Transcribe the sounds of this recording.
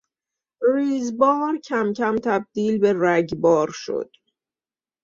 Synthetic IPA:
riːzbɒːɾcʰæmcʰæmt̪ʰæb̚d̪̥iːlbe̞ræɟbɒːɾʃo̰d̪̥

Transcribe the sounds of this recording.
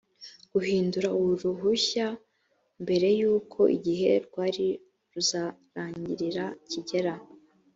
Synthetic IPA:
ɡ̥uɦiːnduɾauuɾuɦuça | mbe̞ɾe̞juːkʰo̞ʔḭɟiɦe̞̰ɾɡwaːɾi | ɾuzaɾaːɲɟiɾiɾaciɟe̞ɾa

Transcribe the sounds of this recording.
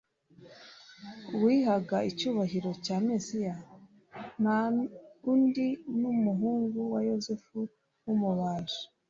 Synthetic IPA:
wiːhaɡaicuːβaɦiɾo̞caːmesija | na | undinumuɦuːŋɡuwajozefu | wumuβaːʒo̥

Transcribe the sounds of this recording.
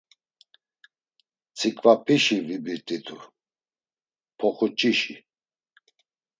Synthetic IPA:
t͡sʰikʼvapʰiʃivibiɾt̪ʼid̪ʰu | pʰɔχut͡ʃʼiʃi

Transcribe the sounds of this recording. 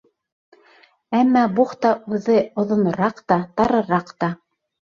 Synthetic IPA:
æmːɑbuχt̪ɑʉðɘŏðŏnɤ̆ɾɑqt̪ɑt̪ɑɾɤ̆ɾɑqt̪ɑ

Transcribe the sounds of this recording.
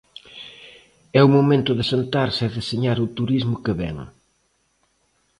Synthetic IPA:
ɛumomẽnt̪ʊðɪsent̪aɾsɪðɪseɲaɾʊt̪uɾizmʊkɪβɛ̰ŋ

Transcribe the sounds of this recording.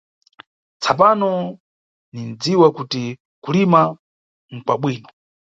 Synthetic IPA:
t͡sʰap̬anɔ | nin̩d͡ziwakuti | kulima | ŋ̩kwaɓwiːnɔ

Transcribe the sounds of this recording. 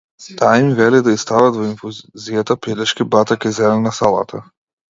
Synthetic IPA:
t̪aimvɛlid̪aist̪avat̪vɔiɱfuzijat̪apɛd̪ɛʃkibat̪akɛzɛlɛnasalˠa̰t̪ʰa

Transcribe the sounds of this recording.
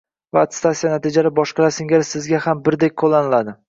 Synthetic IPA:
vaːt̪ɪ̥st̪asijanat̪ʰid͡ʒaɾbɒʃqɨɾasɪŋʲaɾsɪzɡʲahambɪɾd̪ek̚ʲqʰolˠːanɪlad̪ɪ

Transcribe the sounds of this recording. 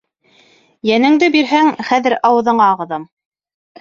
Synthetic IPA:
jænɘ̆ŋd̪ɘbiɾɦæŋχæðɘ̆ɾɑwɤ̆ðɤ̆ɴɑʁɤ̆ðɤm

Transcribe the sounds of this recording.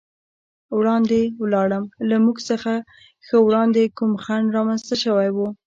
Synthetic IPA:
wɽɑnd̪ewlɑɽəmlamuɡsəxa | xəwɽɑnd̪ekumxaɳɾɑmanst̪aʃəwajwu

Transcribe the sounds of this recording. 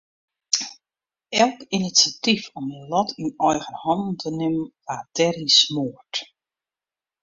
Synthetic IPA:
ɛlˠkinisjatifɔməlɔtʰinɔjɣənhɔndn̩tʰənɪməʋaːdɛrismoərt

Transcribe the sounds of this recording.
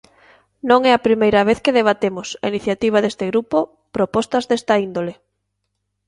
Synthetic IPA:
nõŋɛɐpɾimejɾɐβeθkeðeβat̪emʊsɐ̰iniθjat̪iβ̞ɐðest̪eɣɾupo | pɾopɔst̪ɐzðest̪ɐind̪ole

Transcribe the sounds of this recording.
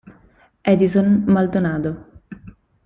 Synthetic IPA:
ɛd̪izonmald̪onaːd̪o

